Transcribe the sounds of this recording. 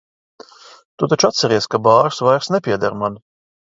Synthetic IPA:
t̪ut̪at͡ʃat̪sɐɾʲiɛskabɑːɾsvajɾsnʲɛpʲiɛd̪ɐɾman

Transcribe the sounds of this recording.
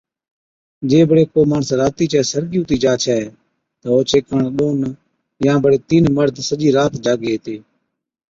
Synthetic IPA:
d͡ʒeːbəɽeːkoːmaːɳsɾaːt̪iːt͡ʃɛːsəɾɠɪjũːt̪iːd͡ʒaːt͡ʃʰɛː | t̪əoːt͡ʃʰeːkəɳɗoːn | jãːbəɽeːt̪iːnməɾd̪ʱsəd͡ʒiːɾaːt̪d͡ʒaːɡeːeːt̪eː

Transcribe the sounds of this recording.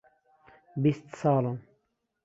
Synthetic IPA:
bist̪saːlon

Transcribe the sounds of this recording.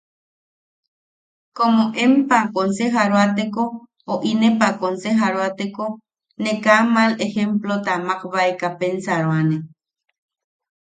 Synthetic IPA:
komoʔempakonseɦaɾoat̪eko | oʔinepakonseɦaɾoat̪eko | nekamalehemplot̪amaqβaekapensaɾoane

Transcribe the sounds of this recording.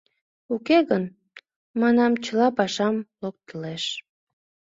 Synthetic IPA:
ukeɣən | mɑnɑmt͡ɕəlɑpɑʃɑmlok̚t̪əleʃ

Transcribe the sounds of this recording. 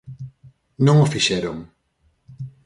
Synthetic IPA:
nõŋofiʃɛɾoŋ

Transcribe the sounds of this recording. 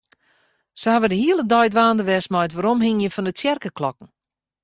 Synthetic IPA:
səhaʋədəhiəlˠədɔjtʋaːndəʋɛsmɔjtʋaɾomhɪŋjəfɔndətjɛrkəklɔkn̩

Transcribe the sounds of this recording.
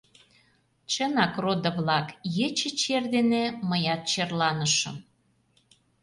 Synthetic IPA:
t͡ɕənɑkrod̪ə̆βlɑkjet͡ɕə̆t͡ɕerd̪eneməjɑt̪̚t͡ɕerlɑnəʃə̰̆m

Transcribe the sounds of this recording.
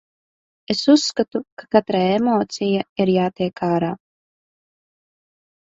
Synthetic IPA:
e̞susːkat̪ukḁkat̪ɾajemoːt̪sijaiɾjaːt̪iɛkaːɾaː

